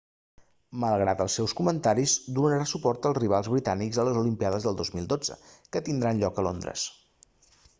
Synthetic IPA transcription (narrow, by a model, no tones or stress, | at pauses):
məlˠɣɾat̪əlˠsːɛwskumənt̪aɾizd̪unəɾasupɔrt̪əlˠzriβ̞alˠzβɾit̪anikzələzulimpiaðəzðəlˠd̪ozmilˠd̪od͡zə̰kət̪ind̪ɾanʎɔkəlond̪ɾə̰s